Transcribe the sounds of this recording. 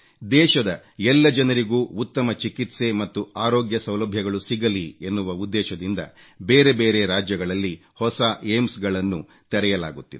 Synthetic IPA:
d̪ɛːʃɐd̪ɐ | ɛlːɐd͡ʒɐnɐɾiɡuːut̪ːɐmɐt͡ʃikit̪se̞mɐt̪ːuaːɾoːɡjɐsɐwlɐbʱjɐɡɐɭusiɡɐlienːuʋɐud̪ːɛːʃɐd̪ind̪ɐ̰ | beːɾe̞beːɾe̞ɾaːd͡ʒjɐɡɐɭɐlːi | hɔsaemsɡɐɭɐnːu | t̪ɛɾɛjɐla̰ːɡut̪ːid̪e̥

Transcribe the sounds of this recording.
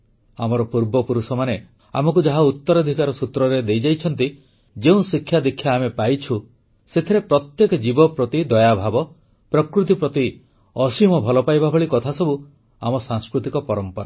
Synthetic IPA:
amɔɾɔpuɾbɔpuɾusɔmane | a̰mɔk̬ud͡ʒaɦaut̪ːɔɾɔd̪ʱikaɾɔsut̪ɾɔɾed̪ejd͡ʒajt͡ʃʰɔnt̪i | d͡ʒeũsikʰːjad̪ekʰjaːmepajt͡ʃʰu | set̪ʰiɾepɾɔt̪jekɔd͡ʒibɔpɾɔt̪id̪ɔjabʱabɔ | pɾɔkɾut̪̬ipɾɔt̪i | ɔsimɔbʱɔlɔpajbabʱɔɭikɔt̪ʰasɔbu | a̰mɔsaŋskɾut̪ikɔpɔɾɔmpɔɾa̰

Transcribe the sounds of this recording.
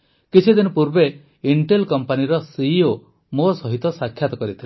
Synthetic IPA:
kit͡ʃʰid̪inɔpuɾbe | iɳʈelkɔmpaniɾɔsiːo | mosɔɦit̪ɔsakʰːjat̪ɔkɔɾit̪ʰile

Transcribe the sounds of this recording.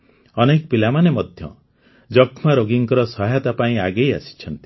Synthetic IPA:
ɔnekɔpilamanemɔd̪ʱjɔ̰ | d͡ʒɔkʰmaɾoɡiŋkɔɾɔsɔɦat̪apaĩaɡeja̰si̥t͡ʃʰɔnt̪i̥

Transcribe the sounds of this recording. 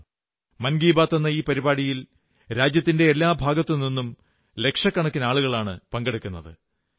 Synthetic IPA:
mɐnɡiːbaːt̪ːenːɐiːpɐɾibaːɽijil | ɾaːd͡ʑjɐt̪ːinde̞ːlːaːbʱaːɡɐt̪ːɨninːum | le̞kʂɐkːɐɳɐkːinaːɭuɣɐɭaːɳɨ̰pɐŋɡeɽukʲːunːɐðɨ̰

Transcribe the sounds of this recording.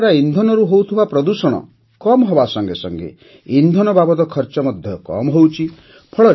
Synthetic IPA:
ɾaind̪ʱɔnɔɾuɦowt̪ʰibapɾɔd̪usɔɽ̃ɔ̰ | kɔmɔɦɔbasɔŋɡesɔ̰ŋɡḛ | ind̪ʱɔnɔbabɔd̪ɔkʰɔɾt͡ʃɔmɔd̪ʱjɔkɔ̰mɔɦowt͡ʃʰi | pʰɔɭɔɾ

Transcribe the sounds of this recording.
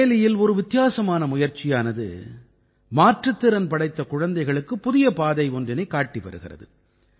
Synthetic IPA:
lɪjɪlɔɾɯʋɪt̪ːɪjaːsɐmaːnɐmʊjɐɾt͡ʃɪjaːnɐðɯ̰ | maːʈrɯt̪ːɪɾɐnpɐɽɐɪt̪ːɐkʊɻɐnd̪ɐɪɣɐɭɯkːɯpːʊðɪjɐpaːðɐɪɔndrɪnɐɪkːaːʈːiʋɐ̰ɾɯ̰ɣɪ̰rɐ̰ðɯ

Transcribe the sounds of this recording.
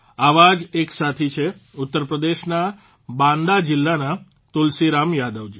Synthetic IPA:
aʋad͡ʒeksat̪ʰit͡ʃʰeʊt̪ːəɾpɾəd̪eʃna | bãnd̪ad͡ʒɪlːana | t̪ulsiɾamjad̪əʋd͡ʒi

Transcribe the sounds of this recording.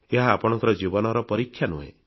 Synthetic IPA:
eɦaːpɔɽ̃ɔ̃ŋkɔɾɔd͡ʒibɔnɔɾɔpɔɾikʰjanṵɦḛ̃

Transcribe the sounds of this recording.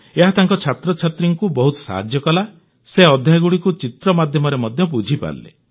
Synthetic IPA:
eɦat̪aŋkɔt͡ʃʰat̪ɾɔt͡ʃʰat̪ɾiŋkubɔɦut̪ɔ̥sa̰ɦa̰d͡ʒjɔkɔla | seɔd̪ʱjaɡuɽikut͡ʃit̪ɾɔmad̪ʱjɔmɔɾemɔd̪ʱjɔbud͡ʒʱipa̰llḛ

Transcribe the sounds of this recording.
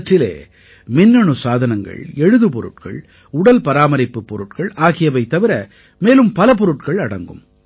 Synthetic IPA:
ʈrɪlḛː | mɪnːɐɳɯsaːðɐnɐŋɡɐ̰ɭɛɻɯðɯpɔɾɯ̰ʈkɐ̰ɭ | ʊɽɐlpɐɾaːmɐɾɪpːɯpːɔɾɯʈkɐɭaːɣɪjɐʋɐɪt̪ːɐʋɪɾɐ | meːlɯmpɐlɐp̬ɔɾɯʈkɐɭɐɽɐ̰ŋɡɯm

